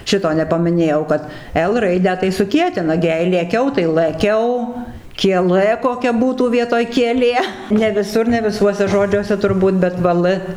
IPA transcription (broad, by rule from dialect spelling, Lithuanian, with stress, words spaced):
ˈʃʲɪtoː nʲɛpɐmʲɪˈnʲeːjɛʊ kɐt ɛlˠ ˈrɐɪdʲæː tɐɪ sʊˈkʲiɛtʲɪnɐ ˈɡʲɪ jɛɪ lʲeːˈkʲɛʊ tɐɪ lˠɘˈkʲɛʊ kʲiɛˈlˠɘ koːˈkʲɛ ˈbuːtuː ˈʋʲiɛtoːj kʲiɛˈlʲeː nʲɛ ʋʲɪˈsʊr nʲɛ ʋʲɪˈsuɔsʲɛ ˈʒoːd͡ʒʲuɔsʲɛ tʊrˈbuːt bʲɛt ˈʋɐ lˠ